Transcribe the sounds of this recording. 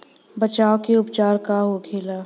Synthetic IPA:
bət͡ʃaːokeʊpt͡ʃaːɾkaɦokʰeːlaː

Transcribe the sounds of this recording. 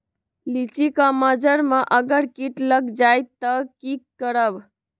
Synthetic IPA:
lit͡ʃikaməd͡ʒəɾmaʔəɡəɾkiʈləɡd͡ʒajt̪ːəkikːəɾəb

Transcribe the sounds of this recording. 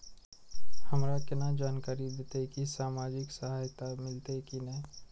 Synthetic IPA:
həmɾakɪnad͡ʒaːnkaːɾid̪eːt̪ekisaːmaːd͡ʒɪksɐɦaːjt̪amɪlt̪ekinɐĩ

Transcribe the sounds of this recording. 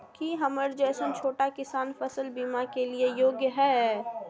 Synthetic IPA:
kiɦɐməɾd͡ʒɛːsənt͡ʃʰoːʈakɪsaːnfɐsəlbiːmakeliejoːɡjəɦɛː

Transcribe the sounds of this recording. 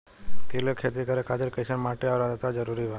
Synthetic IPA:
t̪elokʰet̪ikəɾekʰat̪iɾkeʃənmaʈeaʋlad͡ʒət̪ad͡ʒəɾuɾiʋa

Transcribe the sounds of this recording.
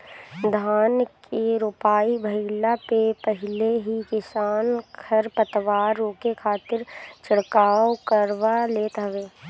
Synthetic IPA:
d̪ʱaːnkʰeɾupaːibʱəɪlapepəɦɪleɦikɪsaːnkʰɐɾpət̪ʋaːɾokekʰaːt̪ɪɾt͡ʃɪɽkaːwkəɾʋaleːt̪ɦɐʋeː

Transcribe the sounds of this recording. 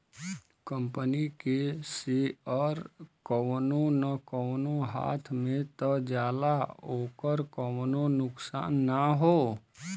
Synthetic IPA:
kə̃mpənikeseɔɾkəwnõnəkəwnoɦa̰ːt̪ʰmẽt̪əd͡ʒjaːd̪aoːkəɾkəwnonʊksa̰ːnːəɦoː

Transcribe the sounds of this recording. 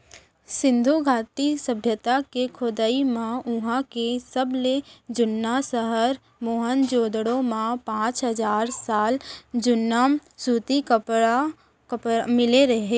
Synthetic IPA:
sɪ̃nd̪ʱuɡʱaːt̪isəbʱjət̪akekʰʊd̪aimãʊɦãkesəbled͡ʒʊnːasəɦəɾ | moːɦənd͡ʒoːd̪ɽõmãpãːt͡ʃɦəd͡ʒaːɾsaːld͡ʒʊnːamsuːt̪ikəpa | kəpmɪleɾəɦeː

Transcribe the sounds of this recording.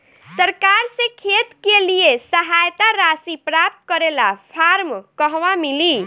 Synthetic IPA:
səɾkaɾsẽkʰet̪kelijesəɦajt̪aɾasipɾap̚t̪kəɾelapʰaɾmkəɦʋamili

